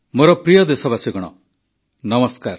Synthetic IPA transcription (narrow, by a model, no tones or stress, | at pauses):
moɾɔpɾijɔd̪esɔbasiɡɔɽ̃ɔ̰ | nʌmɔskaɾ